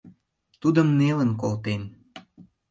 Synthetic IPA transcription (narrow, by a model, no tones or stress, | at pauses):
t̪ud̪ə̆mnelənkolt̪en